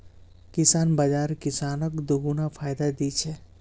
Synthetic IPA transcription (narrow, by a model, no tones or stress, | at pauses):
kɪsaːnbad͡ʒaːɾkɪsaːnəkd̪oɡunafʰaːjd̪ad̪it͡ʃʰɛ